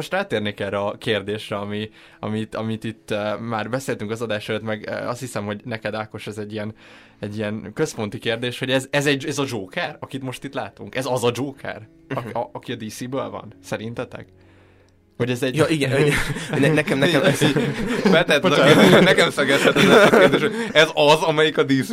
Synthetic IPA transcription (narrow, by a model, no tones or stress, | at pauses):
oʃt̪raːt̪eːrnekɛlrɛɒkeːrd̪eːʃrɛɒmi | ɒ̰mit̪ɒ̰mit̪it̪ːmaːrbɛseːlt̪yŋkɒzɒd̪aːʃɛjøt̪mɛɡ̰ɒst̪hisɛmho̞ɟnɛkɛd̪aːko̞ʃɛzɛɟːiɛn | ɛɟːijɛnkø̞spo̞nt̪ikeːrd̪eːʃho̞ɟɛzɛzɛɟɛzɒd͡ʒoːkɛrɒkit̪mo̞ʃt̪it̪laːt̪uŋkɛzɒzɒd͡ʒoːkʰɛ̰r | ɒɒkiɒd̪iːsiːbøːlvɒ̰nsɛɾint̪ɛt̪ɛ̰ɡ | ho̞ɟɛzɛɟjiɡɛ | ɛnɛkɛmnɛm | bɛt̪ɛt̪nɛkɛmsɛɡɛsɛt̪ːɛɛerd̪eːʃoɛzɒzɒmɛjikɒd̪iːs